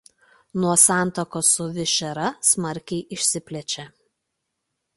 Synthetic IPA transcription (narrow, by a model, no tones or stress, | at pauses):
nuɔsɑˑnˑt̪okoːsʊʋʲɪʃʲɛɾɐsmɐɾʲkʲɛɪʔɪʃʲsʲɪpʲlʲɛt͡ʃʲɛ